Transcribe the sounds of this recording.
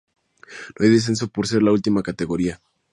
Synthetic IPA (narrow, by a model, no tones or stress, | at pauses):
noajðes̬e̞ns̬o̞po̞ɾse̞ɾlault̪imakat̪eɣo̞ɾia